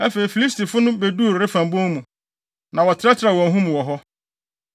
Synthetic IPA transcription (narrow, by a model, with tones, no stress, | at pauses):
æ˦fe˨ɾi˨fi˨li˦sti˨fʊ˦nʊ̃˦be˨du˦˨ɾɾɪ˦fã˨mbõ˦ŋmũ˨ | nã˨wɔ˨tʰɪ˦ɾa˦t͡ɕʰɪ˦ɾa˨wɔ̃˨ŋɦʊ̃˦mũ˨wɔ˨ɦɔ˦